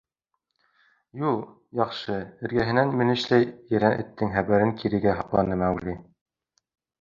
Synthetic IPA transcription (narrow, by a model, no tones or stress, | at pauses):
ju | jɑχʃɤɘ̆ɾɡæɦɘ̆nænmɘ̆nɘ̆ʃlæjjɘ̆ɾænʔɘ̆t̪ːɘŋχæβæɾɘŋkʰiɾɘ̆ɡæɦɑqlˠɑnɤmæwli